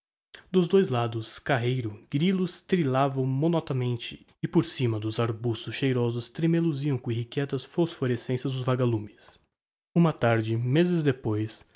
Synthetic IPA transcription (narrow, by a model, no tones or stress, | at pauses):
d̪ʊzd̪ojzlad̪ʊskaɦejɾʊɡ̥ɾilʊst̪ɾilavɐ̃w̃mõnɔt̪ɐmẽnt͡ʃɪ | ɪpoɾsĩmɐd̪ʊzaɾbust̪ʊsʃejɾɔzʊst̪ɾemeluziɐ̃w̃kõehikɛt̪ɐsfosfoɾesẽsɐzd̪ʊzvaɡalũmɪs | ũmɐt̪aɾd͡ʒɪmezɪzd̪epojs